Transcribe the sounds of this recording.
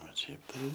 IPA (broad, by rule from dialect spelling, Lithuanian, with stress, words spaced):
oː ˈʃʲɛɪp tɐɪ